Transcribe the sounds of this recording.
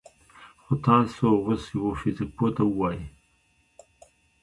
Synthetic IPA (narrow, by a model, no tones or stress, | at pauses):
xot̪ɑsoɣosjawofɪzɪk̚pot̪awəwɑji